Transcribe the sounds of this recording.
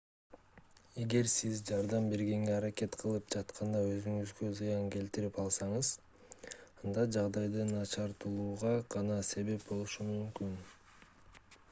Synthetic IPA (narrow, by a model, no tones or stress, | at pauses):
e̞ɡe̞ɾsizd͡ʒɑɾd̪ɑmbe̞ɾɡe̞ŋɡe̞ɑɾake̞t̪qʰɯlˠɯp̚d͡ʒɑt̪qʰɑnd̪ɑø̞zyŋyzɡøzɯjɑŋke̞lt̪iɾipɑlˠsɑɴɯz | ɑnd̪ɑd͡ʒɑʁd̪ɑjd̪ɯnɑt͡ʃɑɾt̪ulˠuːʁɑʁɑnɑse̞βe̞p̚bo̞lˠuʃumymkyn